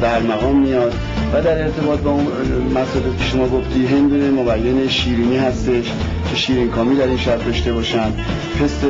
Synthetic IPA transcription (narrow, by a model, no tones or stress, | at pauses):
bæɾmæɣɒːmːijɒd̪̥ | væd̪æɾe̞ɾt̪ʰe̞bɒːt̪̚bɒun | mæsɒːlikʰʲcʰe̞̥ʃo̞mɒːɡo̞ft̪iːɦe̞nd̪unemobæjːeneʃiːɾiːniːɦæst̪e̞ʃ | cʰe̞ʃiːɾinkʰɒːmiːd̪æɾinʃæbd̪ɒʃt̪e̞bɒːʃænd̪ | pʰe̞st̪e